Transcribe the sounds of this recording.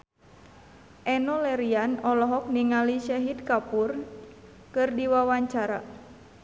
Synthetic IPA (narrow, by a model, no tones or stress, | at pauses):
ʔɛnɔlɛɾianɔlɔɦɔk̚niŋaliʃaɦid̪̚kapur | kɨrdiwawaɲt͡ʃaɾa̰